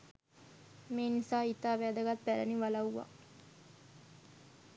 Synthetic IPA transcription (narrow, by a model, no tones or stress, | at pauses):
meːnisaːit̪aːʋæːd̪əɡat̪̚pæɾə̰niʋalauʋa̰